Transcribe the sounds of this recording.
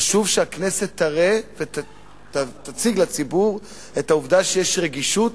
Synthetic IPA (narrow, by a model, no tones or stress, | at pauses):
aʃuvʃeakne̞se̞t̪ːaʁeve | tat̪at͡siɡlat͡sibuʁ | et̪hauvdaʃejeʃʁeɡiʃut